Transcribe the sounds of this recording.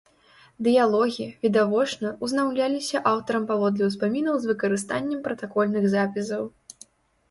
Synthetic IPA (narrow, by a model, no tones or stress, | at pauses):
d̪ɨjalˠɔɣʲivʲid̪avɔt͡ʂnɐuznawlʲalʲisʲɐʔawt̪ɐɾɐmpavɔd̪lʲɛwspamʲinɐwzvɨkɐɾɨst̪anʲːɛmpɾɐt̪akɔlʲnɨɣzapʲis̬ɐw